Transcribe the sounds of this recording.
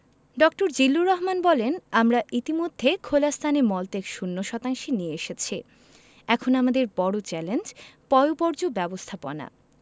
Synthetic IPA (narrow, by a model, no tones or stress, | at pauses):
ɖɔkʈoɾd͡ʑilːuɾɔɦmanbɔlenamɾaʔit̪imod̪ʱːekʰolast̪ʰanemɔlt̪ekʃunːoʃɔt̪aŋʃinijeeʃet͡ɕʰi | ɛkʰonamad̪eɾbɔɽot͡ɕɛlend͡ʑpɔeopɔɾd͡ʑobɛbost̪ʰapo̰na̰